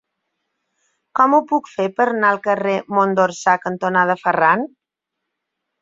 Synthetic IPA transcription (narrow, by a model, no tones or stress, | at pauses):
kɔmupukfepəɾnaəlˠkəremond̪oɾsakənt̪onaðəfəran